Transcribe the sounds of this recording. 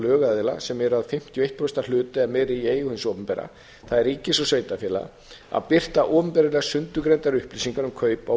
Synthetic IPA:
lœːɣaðɪla̰sɛmɛɾʏaðfɪm̥t̪ʰjɔejht̪pʰɔst̪alʏːt̪ɪɛmɛɾɪeːjʏhɪnsɔːpʏmpɛɾa̰ | θaðɛɾicɪsɔsveːjt̪afɛːla̰ | a̰ðpɪr̥t̪aʔɔːpʏmpɛɾɪlɛɣasʏnt̪ʏkɾejnt̪aɾʏhplisiŋkaɾnʏmkʰœːɥpa

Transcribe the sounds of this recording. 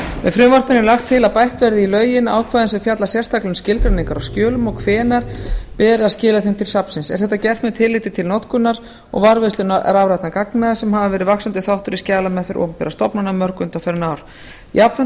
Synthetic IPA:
mɛðfɾʏːmvarpɪnɪlaxt̪ʰːɪlaðpajht̪vɛɾðɪilœːɥjɪna̰ːwkʰvaːðnsɛfjat̪lasjɛ̥st̪ʰaklʏnscɪlkɾaniŋkaɾawscœːlʏmɔɣkʰvɛːnaɾ̥pɛːɾɪascɪːlaθemt̪ʰɪlsapsɪnsɛ̰̥θɛht̪ːacɛft̪mɛðt̪ʰɪlːɪːt̪ɪt̪ʰɪlnɔt̪kʏnaɾ | ɔ̰ɣvaɾvɛst̪lʏna̰ɾavɾajt̪nakaknasɛmhavavɛːɾɪðvaksant̪ɪθawht̪ʏɾiscaːlamɛðθfɪɾʔɔ̰wmpɛɾast̪ɔpnanamœɾkʏʏnt̪awfɛɾnaːwɾ̥ | ḭap̪a

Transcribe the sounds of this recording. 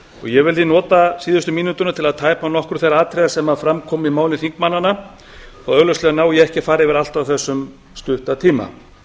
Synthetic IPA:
ɔ̰ɣjɛɣvɪlθinɔːt̪asiːðʏst̪ʏmiːnut̪ʏnat̪ʰɪlaðt̪ʰaːjpanɔhkɾʏ̥θejɾaaːt̪ʰɾɛjðasɛmaðfɾamkʰɔːmɪmaːwlɪnθiŋkmanːanːa | θaœɣlœslɛɣanaːwjɛɛhcɪfaːɾɪvɪɾal̥t̪awθɛsːʏm | st̪ʏht̪at̪ʰiːma̰

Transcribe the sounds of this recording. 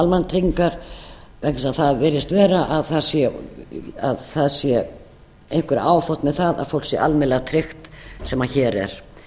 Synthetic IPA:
almant̪ʰɾiŋkaɾ̥vɛhɪsaðθaðvɪɾɪst̪vɛːɾaʔaðθaðsjɛ | aðθaðsjɛ | ejŋ̥kvʏɾ̰aːwfɔwht̪mɛðθaða̰ðfow̪sjɛ̰ʔalmɪnlːɛɣat̪ʰɾɪxt̪sɛmaçɛːɾɛ̰ɾ̥

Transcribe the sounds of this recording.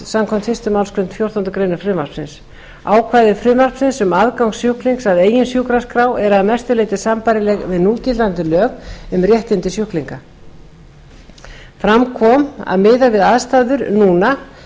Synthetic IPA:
samkʰɔm̥t̪fɪst̪ʏmawlskʰɾʏm̥t̪fjow̥t̪ant̪ʏkɾejnʏfɾɪmar̥psɪns | aːwkʰvaːjðɪfɾɪmar̥psɪnsʏmaðkawŋksjʏhkliŋksaðeːjɪnsjukɾaskɾaːwɛɾaðmɛst̪ʏleːjt̪ɪsampaːɾɪlɛɣvɪðnuːlcɪlant̪ɪlœːɣʏmrjɛht̪ɪnt̪ɪsjʏhkliŋka | fɾamkʰvɔma̰ðmɪːðavɪðaðst̪aːðʏɾnuːna

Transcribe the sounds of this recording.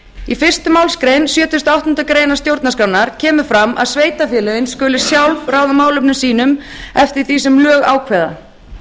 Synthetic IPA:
ifɪr̥st̪ʏmaːwlskɾejnsjœːt̪ʏst̪awht̪ʏnt̪akɾeːjnast̪jowɾt̪naskɾawnaɾ̥cʰɛːmʏ̥fɾamʔa̰ðsveːjt̪afjɛːlɛɪnskʏːlɪ̥sjawlvraːwðamaːwlʏpnʏsiːn̪ʏm | ɛft̪ɪɾ̥θiːsɛmlœːɣaːwkʰvɛːða

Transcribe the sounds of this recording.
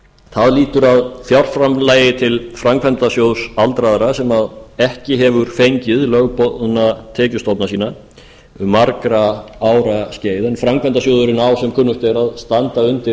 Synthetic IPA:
θaðliːt̪ʏɾaðfjawr̥fɾamlaːjɪt̪ʰɪlfɾamkʰvɛnt̪asjowðsalt̪ɾaðaɾasɛmaðɛhcɪɦɛvʏɾ̥fejɲcɪðlœɣpɔðʏnat̪ʰɛːcʏst̪ɔt̪nasiːna | ʏmːaɾkɾaaːwɾasceːjðɛnfɾamkʰvɛnt̪as̬owðʏɾɪnawsɛmkʰʏnːʏht̪ɛɾaðst̪ant̪aʏnt̪ɪ

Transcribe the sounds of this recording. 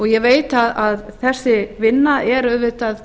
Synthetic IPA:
ɔɣjɛveːjt̪aðaðθɛsːɪvɪnːaɛɾœvʏt̪að

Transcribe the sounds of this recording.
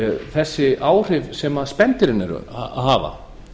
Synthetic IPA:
θɛsːɪaːwr̥ɪvsɛmaspɛnt̪ɪɾɪnːɪ̰ɾ̰a̰ɦaːva̰

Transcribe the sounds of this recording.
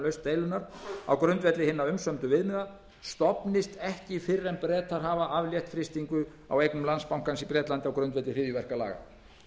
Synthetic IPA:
lœɥst̪t̪eːjlʏnaɾ̥a̰wkɾœnt̪vɛt̪lɪɦɪnːaʏmsœmt̪ʏvɪðmɛða | st̪ɔpnɪst̪ɛhcɪfɪɾːɛnpɾɛːt̪aɾ̥ɦaːvaʔavljɛht̪fɾɪst̪iŋkʏ | a̰wejknʏmlanspawŋkansipɾɛːt̪lant̪ɪawkɾœɥnt̪vɛt̪lɪrɪːvjʏvɛr̥kala̰ːɣa̰

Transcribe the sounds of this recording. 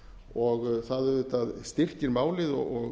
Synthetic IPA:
ɔɣθaðʏʏt̪aðst̪ɪr̥cɪɾmaːwlɪðɔ̰ɔɣ

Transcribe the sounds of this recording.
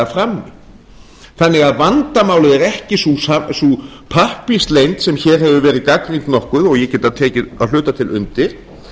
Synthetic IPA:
afɾamnɪ | θanːɪɣaðvant̪amaːwlʏðɛɾɛhcɪsusasupʰahpist̪lejnt̪sɛmçɛɾ̥ɦɛvʏvɛːɾɪðkakɾiŋk̪nɔhkʏðɔɣjɛcɛːt̪aðt̪ʰɛːcɪa̰ðl̥ʏːt̪at̪ʰɪlʔʏ̰nt̪ɪɾ̥

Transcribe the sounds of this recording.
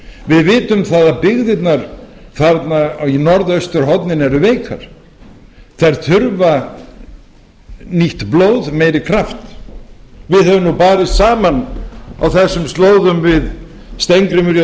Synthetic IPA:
vɪðvɪːt̪ʏmθaːðapɪɣðɪt̪naɾ̥θaɾt̪nainɔɾðœst̪ʏɾ̥ɦɔt̪nɪnɛɾʏveːjkʰa̰ɾ̥ | θaɾθʰʏɾva | niht̪ploːwðmejɾɪkʰɾaft̪ | vɪðhœvʏmnupaːɾɪsaːmanawθɛsːʏmst̪loːwðʏmvɪð | st̪ejŋkɾɪmʏɾj

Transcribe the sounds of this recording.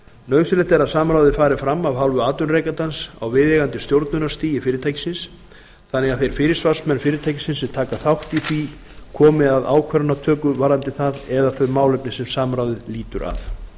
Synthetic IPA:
nœːɥsɪlɛht̪ɛɾaðsaːmɾaːwðɪfaːɾɪfɾamːawɦalvʏaːt̪ʏnreːjkant̪ansa̰wvɪðɛɣant̪ɪst̪jowɾt̪nʏnaɾ̥st̪iːjɪfɪːɾɪɾt̪ʰajcɪ̥sɪns | θanːɛɣaðθejɾ̥fɪːɾɪɾ̥svar̥smɛnfɪːɾɪɾt̪ʰajcɪ̥sɪnsɛt̪ʰaːkaθawht̪iθvi | kʰɔːmɪaða̰ːwkʰɛɾʏnat̪ʰœːkʏvaːɾant̪ɪθaðɛðaθœɥmaːwlʏpnɪsɛmsaːmɾaːwðɪliːt̪ʏɾʔa̰θ

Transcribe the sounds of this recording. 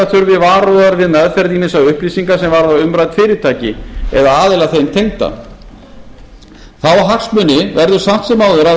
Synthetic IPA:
at̪ʰʏɾvɪvaːɾɔðaɾvɪðnaðfɛɾt̪imɪnsawʏhplisiŋkasɛmvaɾðawʏmɾajt̪fɪːɾɪ̥t̪ʰaːjcɪ̰ɛðaaːðɪlaθejmt̪ʰejŋt̪a̰ | θawaɦaksmʏnːɪvɛɾðʏ̥sam̥t̪sɛmawðvɛɾa

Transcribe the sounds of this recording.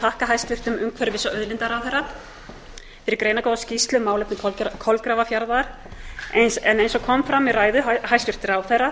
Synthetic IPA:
t̪ʰahkaɦajst̪ʏr̥t̪ʏmʏmkʰvɛɾʏvɪsaʔœðlɪnt̪aɾawθɛrːa | fɪɾɪɾkɾejnakowðascist̪lʏmːaːwlɛpnɪkʰkʰɔlkɾaːvafjaɾðaɾ̥ | esɛnejnsɔkʰɔmfɾamːɪraːjðʏhajst̪ʏr̥t̪ɪɾawθɛra

